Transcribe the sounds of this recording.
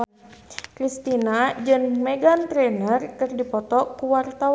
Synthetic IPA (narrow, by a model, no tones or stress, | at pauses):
kɾist̪inad͡ʒɨŋmɛɡant̪ɾɛnərkɨrdipɔt̪ɔkuwart̪aw